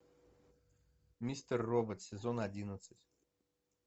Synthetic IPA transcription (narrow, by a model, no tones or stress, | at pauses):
mʲisʲt̪ərːobət̪sʲɪzonadʲinət̪sɨtʲ